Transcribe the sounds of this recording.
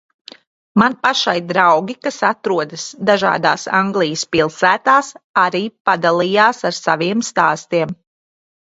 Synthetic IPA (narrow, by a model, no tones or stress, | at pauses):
manpaʃajd̪ɾawɡʲikasat̪ɾuɔd̪ɨsd̪aʒa̰ːd̪a̰ːsaŋɡlˠijəspilˠsæːt̪aːsaɾiːpad̪alˠiːjaːsaɾsaviɛmst̪aːst̪iɛm